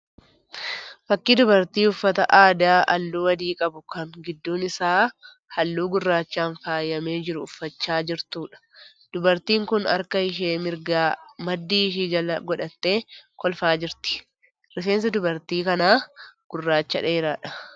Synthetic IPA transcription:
fɐkːid̪ʊbɐɾt̪iːʊfːɐt̪ɐ̰ʔaːd̪aːʔɐlːuːwɐd̪iːkʼɐbʊkɐŋɡɪd̪ːuːnɪsaː | hɐlːuːɡʊrːaːt͡ʃːaːnfaːjːɐme̞ːd͡ʒɪɾʊʊfːɐt͡ʃːaːd͡ʒɪɾt̪uːᶑɐ̥ | d̪̥ʊbɐɾt̪iːŋkʊnɐ̰ɾkɐɪʃeːmɪɾɡaːmɐd̪ːiːʃiːd͡ʒɐɐɡɔᶑɐt̪ːeːkɔlfaːd͡ʒɪɾt̪ɪ̥ | ɾɪfeːns̬ɐd̪ʊbɐɾt̪iːkɐnaːɡ̥ʊrːaːt͡ʃːɐ̰ᶑeːɾaːᶑɐ̥

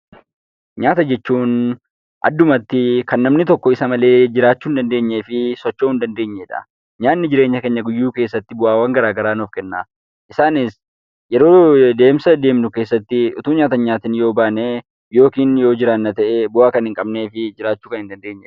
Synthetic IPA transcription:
ɲaːt̪ɐd͡ʒɛt͡ʃːuːn | ʔɐ̰d̪ːʊmɐt̪ːɪkɐnːɐmnɪt̪ɔkːɔɪsɐmɐle̞ːd͡ʒɪɾaːt͡ʃːuːnd̪ɐnd̪e̞ːɲːeːfɪsɔt͡ʃːoːhʊnd̪ɐnd̪e̞ːɲːeːᶑɐ̰ | ɲaːnːɪd͡ʒɪɾe̞ːɲːɐkeɲːɐɡʊjːuːkeːsːɐt̪ːɪbʊʔaːwɐŋɡɐɾaːɡɐɾaːnɔfkɛnːaː | ʔɪsaːnɪs | jɛɾo̞ːd̪e̞ːmsɐd̪e̞ːmnʊke̞ːsːɐt̪ːɪʔʊ̰t̪uːɲaːt̪ɐɲaːt̪ɪnjo̞ːbaːneː | jo̞ːkiːnjo̞ːd͡ʒɪɾɐnːɐt̪ɐʔebʊaːkɐnhɪŋkʼɐbne̞ːfɪd͡ʒɪɾaːt͡ʃːuːkɐnhɪnd̪ɐnd̪eːɲːɛ

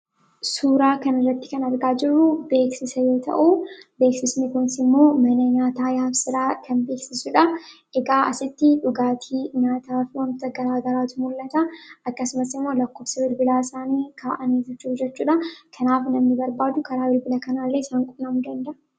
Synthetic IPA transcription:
suːɾaːkɐnɪrːɐt̪ːɪ̥kɐnɐɾɡaːd͡ʒɪrːʊbe̞ːksɪsɐjo̞ːt̪ʰɐ̰ʔuːbe̞ːksɪsnɪkʊnɪsɪmːo̞ːmɐnɐɲaːt̪aːjaːfsɪɾaːkɐnbeːksɪsʊᶑɐʔɛɡaːʔɐsɪt̪ːɪᶑʊɡaːt̪ʰiːɲaːt̪aːfwɐnt̪ɐɡɐɾaːɡɐɾaːt̪ʊmʊlːɐt̪ɐɐkːɐsʊmɐsɪmːo̞ːlɐkːoːfsɐwɪlbɪlaːɪsaːniːkʰaːʔɐniːd͡ʒɛt͡ʃːuːfd͡ʒɛt͡ʃːuːᶑɐkʰɐnaːfnɐmnɪbɐɾbaːd̪ʊkɐɾaːwɪlbɪlɐkɐnaːlːeːɪsaːŋkʼʊːɐmʊd̪ɐnd̪ɐʔ

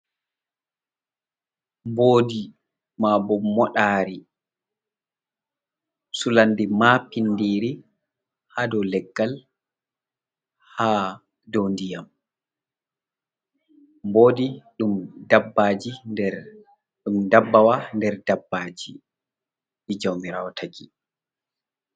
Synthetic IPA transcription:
mboːdi | mabɔmɔɗaːɾi | sulandimapinːdiːɾi | hadɔlɛɡːal | haː | dɔwndijam | boːdiɗumdabːaːd͡ʒi | ɗumdabːawandɛɾdabːaːd͡ʒi | ʔid͡ʒawmiɾa̰ːwɔtʰaki

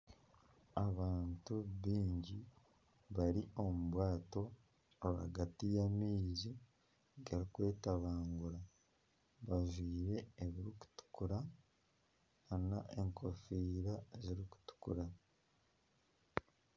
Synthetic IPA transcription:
aβaːntuβiːɲɟi | βaɾiʔo̞muβwaːto̞ | aβa̰ɡatijamiːzi | ɡaɾikwe̞ːtaβaːŋɡuɾa | βaʒwiːɾe̞ːβiɾiku̥tu̥kuɾa | naʔeŋkʰo̞fiːɾaziɾiku̥tu̥kṵɾa

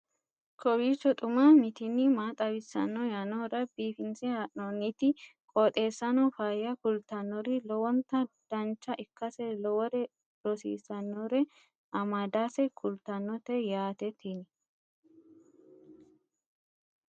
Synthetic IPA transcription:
kʰɔwiːt͡ʃːɔt̪ʼʊmamɪt̪ɪnːɪmaːt̪ʼɐwɪsːɐ̰nːɔjɐnɔɾɐbiːfɪnsɛhaʔnonɪt̪ɪkʼɔt̪ʼe̞ːsːɐnɔfaːjɐkʊlt̪ɐnːɔɾɪlɔwɔnt̪ɐd̪̥ɐnt͡ʃːɐʔɪkːɐsɛlɔwɔɾɛ | ɾɔsḭːsɐnːɔɾɛ | ʔɐmad̪aːsɛkʰʊlt̪ɐnːɔt̪ɛjaːt̪ɛt̪ʰːin

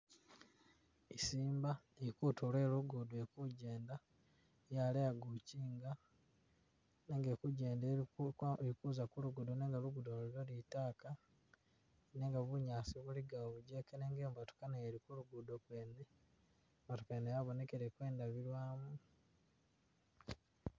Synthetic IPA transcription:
isiːmba | ekutolwe̞ːluɡudoekuɟe̞ːnda | jalejaɡuciːŋɡa | ne̞ːŋɡekuɟe̞ːnde | ikuzakuluɡudoneːŋɡaluɡudoliɾolitaːka | ne̞ːŋɡaβuɲaːsiβuliɡaoβuɟe̞keneːŋɡeːmbatu̥kanaeɾikuluɡudokwe̞ːne | mbatukanejaβo̞ne̞keɾekwe̞ːndaβilwaːmu

